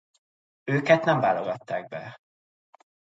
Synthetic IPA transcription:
øːkɛt̪nɛɱvaːloɡɒt̪ːaːɡ̚bɛ̰

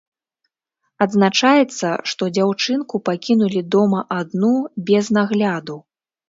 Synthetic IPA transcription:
ɐd̪znat͡ʂajɛt̪sːɐ̰ʂt̪ɔd͡zʲawt͡ʂɨnkupakʲinulʲid̪ɔmɐʔad̪nubʲɛznaɣlʲad̪u

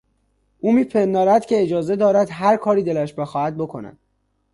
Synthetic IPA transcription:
uːmiːpʰend̪ɒːɾæd̪̥cʰe̞ed͡ʒɒːze̞d̪ɒːɾæd̪ɦæɾkʰɒːɾiːd̪e̞læʃbe̞xɒːhæd̪̚bo̞kʰonæ̰d̪̥̚

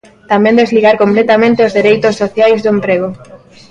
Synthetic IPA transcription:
t̪amẽnd̪ezliɣaɾkomplet̪amẽnt̪eozðeɾejt̪ʊsːoθjajzðoempɾeɣ̞o

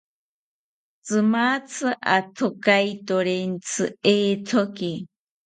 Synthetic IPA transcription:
t͡sɨmat͡sʰɨʔat̪ʰokajt̪oɾent͡sʰɨ̰eːt̪ʰoki

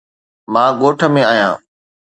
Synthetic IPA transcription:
mãːɡoːʈʰə̆mẽaːjã̰ː

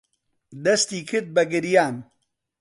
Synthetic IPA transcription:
d̪ɐst̪iːkʰɨɾd̪̚bɐɡɨɾjaːn

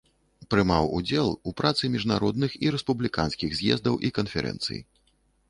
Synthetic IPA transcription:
pɾɨmawud͡zʲɛlˠupɾat̪sɨmʲiʐnaɾɔd̪̚nɨxiɾɛspublʲikansʲkʲiɣzʲjɛ̰zd̪ɐwʔikɐnfʲɛɾʔɛ̰nt̪sɨ̰j

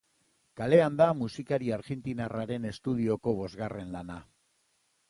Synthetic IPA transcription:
kale̞and̪amusikaɾiaɾɣent̪inaraɾe̞ne̞st̪uðio̞ko̞β̞o̞zɣare̞nlana

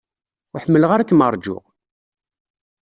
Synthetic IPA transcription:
ʊħəmːələʁaɾækːəməɾˤd͡ʒʊ̰ʁ

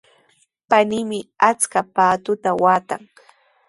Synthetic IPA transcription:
panimɪat͡skapaːt̪ʊt̪awaːt̪aŋ

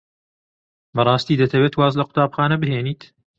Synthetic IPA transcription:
bɐrˤɑːst̪iːd̪ɐt̪ʰɐweːt̪waːzlɐqʊ̥t̪aːbxaːnɐbɨɦeːniːt̪

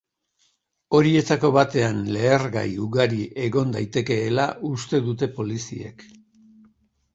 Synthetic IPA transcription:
o̞ɾie̞t̪ako̞βat̪e̞anle̞ːɾɣa̰juɣaɾiʔe̞ɣo̞nd̪ajt̪e̞ke̞ːlaʔust̪e̞ðut̪e̞po̞lisḭe̞̰k

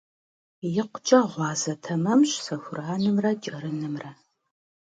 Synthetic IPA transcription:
jɪqʷʊt͡ʃʼɐʁʷɑːzɐtʰɐmɐmʃsɐxʷʊraːnɨmrɐt͡ʃʼɐɾɨnɨmrɐ

